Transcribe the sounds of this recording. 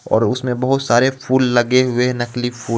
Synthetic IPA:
ɔ̰ːɾʊsmẽbɐɦʊt̪saːɾefʰuːlːɐɡeɦʊenɐklifʰuː

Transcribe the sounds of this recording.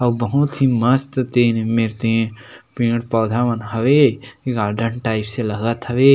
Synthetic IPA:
ɐʋbɐɦʊt̪ɦiməst̪t̪eːnmɪlt̪eɦɛ̃ | pĩːəɽpɔːd̪ʱaːʋənɦɐʋeɡaːɾɖəɳʈaːɪpselɐɡət̪ʰɐʋeː

